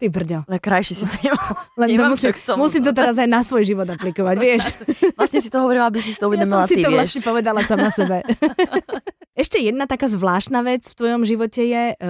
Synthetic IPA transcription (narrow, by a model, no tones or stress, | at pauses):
t̪ibr̩ɟɔlɛkɾajʃisit̪ɔɲɛmallɛnt̪ɔmusimusimt̪ɔt̪ɛɾazajnasʋɔjʒiʋɔd̪aplikɔʋaɟʋɪɛʃʋlasɲɛs̬it̪ɔɦɔʋɔɾilabisist̪ɔuʋɛdd̪ɔmiɔlasiiɔʋlatʃɲɛpɔʋɛd̪alasamasɛbɛ | ɛʃcɛjɛd̪̚nat̪akaːzʋlaːʃt̪naːʋɛt͡sft̪ʋɔjɔmʒiʋɔcɛjɛ